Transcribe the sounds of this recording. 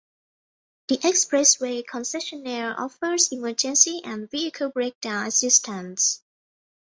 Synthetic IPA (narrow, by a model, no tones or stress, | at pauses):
d̥iʔɛkspɹɛswekʰɔ̃nsɛʃənɛɹʔɔ̰fə˞ziməd͡ʒə̃nsiʔɛ̃nviəkʰəlbɹek̚d̥ãʊ̃nəsɪstʰə̃ns